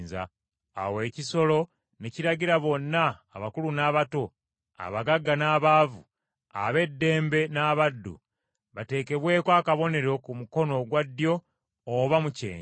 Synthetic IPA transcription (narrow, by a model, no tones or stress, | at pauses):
nza̰ː | we̞ːciso̞lo̞ | neciɾaɟiɾaβo̞nːaːβakulunaːβato̞ | a̰βaɡaɡːanaːβaːvu | a̰βe̞dːe̞ːmbe̞naːβadːṵ | βate̞ːke̞βwe̞ːkwaːkaβo̞ne̞ɾo̞kumuko̞no̞ɡwadːjo̞ː | βamucḛːɲ